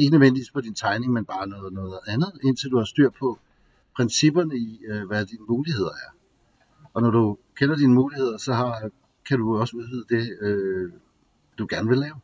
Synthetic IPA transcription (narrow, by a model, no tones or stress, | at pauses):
e̝ɡ̥nøðˠʋend̥iʋḭ̥ːfʰɒ̽d̥int͡sʰɑ̈ɪne̝ŋmenb̥ɑ̈ːnɔ̽ːð̩ˠnɔ̽ːð̩ˠænð̩ˠe̝n̰t͡sʰe̝ld̥uhɑ̈sd̥yɐ̰d̥̚pʰɒ̽ | pʰʁɛnsib̥ɐnəiʋæd̥iːnəmuːlihe̝ð̞̰ˠɐæɐ | ɒ̽nɒɾukʰenɐd̥inəmuːlihe̝ð̞̰ˠɐsɒ̽ɦɑ̈ | kʰæɾuɒ̽səuðˠʋyð̰ˠd̥e̝ø | d̥uɡ̥æɐnəʋe̝lɛːʊ